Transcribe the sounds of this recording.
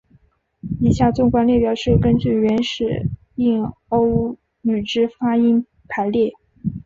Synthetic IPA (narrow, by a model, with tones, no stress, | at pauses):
i˨˩ɕja˥˩t͡sʊ˥˩ŋkwa˥˧nljɛ˥˩pjɑ˨˩ʊʂɻ̩˥˩kə˥nt͡ɕy˥˩ɥɛ˧˥nʂɻ̩˨˩ | i˥˩ŋo˥ʊ | y˨˩ʈ͡ʂɻ̩˥fa˥i˥ŋ | pʰa˧˥ɪljɛ˥˩